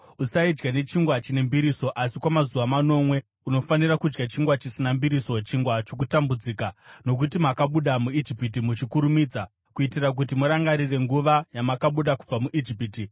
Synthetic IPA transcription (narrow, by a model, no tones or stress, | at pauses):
usaid͡ʒɡane̞t͡ʃiŋɡwat͡ʃine̞mbiɾiso̞ʔasikwamazuʋamano̞ːmwe̞ | uno̞fanirakud͡ʒɡat͡ʃiŋɡwat͡ʃisinambiɾiso̞t͡ʃiŋɡwat͡ʃok̬utambud͡ziːkano̞k̬utimakaɓuɗamuid͡ʒipit̬imut͡ʃikuɾumid͡za | kuitirak̬ut̬imuɾaŋɡaɾire̞ŋɡuʋajamakaɓuɗaku̥b͡vamuʔid͡ʒipiti